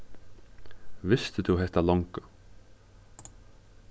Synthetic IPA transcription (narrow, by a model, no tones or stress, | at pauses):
vɪst̪əd̪uɦɛht̪alɔŋka